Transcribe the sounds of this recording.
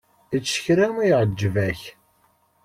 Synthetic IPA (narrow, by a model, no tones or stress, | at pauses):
it͡sːə̥çɾæmijʁəd͡ʒːvæç